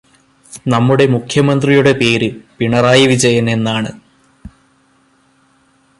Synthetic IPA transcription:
nɐmːuɽe̞mukʰjɐmɐnd̪rijuɽe̞pe̞ːɾɨpiɳɐraːjɐʋid͡ʑɐjɐne̞nːaːɳɨ

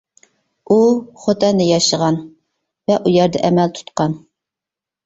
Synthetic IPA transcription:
uχot̪ɛnɪjɑʃəʁɑn | vɛʔujæɾd̪ɛʔɛmɛlt̪ʰu̥t̪qɑn

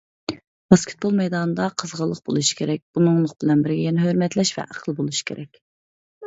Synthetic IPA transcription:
b̥ɑskʲʰɪ̥t̪̚bolˠmɛjd̪ɑnɨd̪ɑqʰəzʁəlˠːəq̚bolˠuʃi̥kʲʰeɾɛk̚ʲb̥unɨŋlˠʊqb̥ɪlɛnbɪɾɡʲɛjɛnɛɦøɾmɛt̪lɛʃvɛ̰ʔæqʰəlˠbolˠuʃi̥kʲʰḛɾʔɛkʲ

